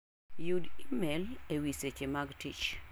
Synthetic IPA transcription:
judimɛlewiset͡ʃemaɡtit͡ʃ

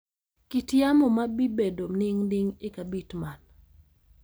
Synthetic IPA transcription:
kitjamɔmabibedonɪŋdɪŋɪkabitman

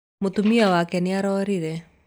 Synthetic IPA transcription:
mot̪umiawakɛneaɾɔɾiɾɛ

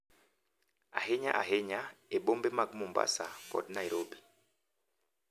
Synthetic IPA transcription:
a̰ɦeɲa̰ʔa̰ɦeɲaeɓombɛmakmomba̰sakɔ̰dnaiɾobi

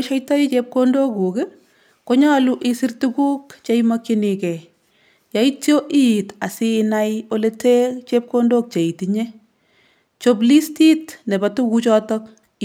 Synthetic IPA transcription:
ʃajtait͡ʃep̚kondokukɪ | koɲaluʔɪsirtukuːkt͡ʃaimakinikɛ | jaitjoʔijitasinajoletet͡ʃep̚kondok̚t͡ʃeitiɲe | t͡ʃoblistitnebatukut͡ʃɔtɔk̚

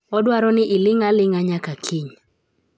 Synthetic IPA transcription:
ɔdwaɾɔnɪʔɪlɪŋalɪŋaɲakakʰiɲ

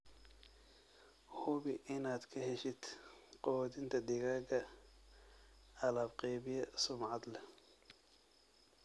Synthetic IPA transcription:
hʊβɪʔɪnaːd̪kʰɐhɛʃɪd̪qɔwɔːd̪ɪnt̪ʰɐd̪ɪɣaːɣɐ | ɐlaːbqɛjβɪjɛsʊmʕɑd̪lɛ

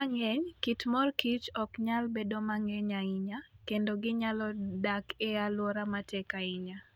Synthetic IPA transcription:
aŋeɲkitmɔrkit͡ʃɔkɲalbedomaŋeɲaiɲakendoɡɪɲalɔdakealwɔɾamatɛkaiɲa

